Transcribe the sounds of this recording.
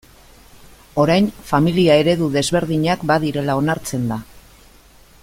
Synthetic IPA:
o̞ɾajnfamiliae̞ɾe̞ðuðe̞zβe̞ɾðiɲakbaðiɾe̞lao̞naɾt͡se̞nd̪a

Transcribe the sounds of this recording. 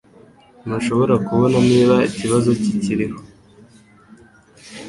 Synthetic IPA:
nuʃo̞βo̞ɾakuβo̞naniːβaiciβazo̞ciciɾiho

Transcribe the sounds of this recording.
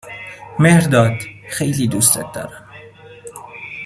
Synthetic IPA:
mehɾd̪ɒːd̪xejliːd̪uːst̪et̪̚d̪ɒ̰ːɾæm

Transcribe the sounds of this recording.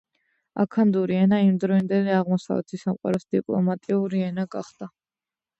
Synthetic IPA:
a̰kʰand̪uɾiɛnaimd̪ɾɔind̪ɛliaʁmɔsa̰vɛ̰t̪ʰisamqʼwa̰ɾɔsd̪̥ipʼlˠɔ̰mat̪ʼiuɾiɛnaɡaχd̪̥a

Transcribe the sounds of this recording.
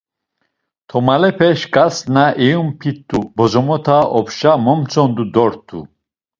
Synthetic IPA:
t̪ʰɔmalɛpʰɛʃkʼasnaʔɛjumpʰit̪ːubɔzɔmɔt̪ʰaʔɔpʰʃamɔmt͡sʰʼɔnd̪ud̪ɔɾt̪ʰṵ

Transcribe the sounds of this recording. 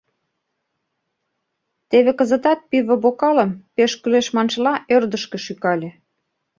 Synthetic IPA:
t̪eβekə̆zə̆t̪ɑt̪̚piβə̆βokɑlə̆mpeʃkyleʃmɑnʃlɑʔørd̪əʃkĕʃykɑlʲĕ

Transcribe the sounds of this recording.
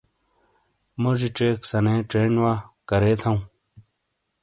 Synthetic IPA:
moʐiʈ͡ʂeːksɐnẽːʈ͡ʂeːnwakɐɾeːt̪ʰɐũ

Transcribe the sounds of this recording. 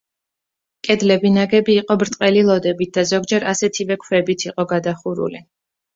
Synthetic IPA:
kʼɛd̪lɛbinaɡɛbiːqʼɔbɾt̪ʼqʼɛlilˠɔd̪ɛbit̪̚d̪azɔɡd͡ʒɛɾasɛt̪ʰivɛkʰwɛbit̪ʰiqʼɔɡad̪aχuɾṵli

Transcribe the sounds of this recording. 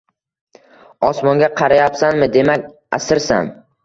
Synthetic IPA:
ɒsmɒŋɡʲaqʰɑɾajapsanmɪd̪e̞makʲ | a̰sɪɾsa̰n

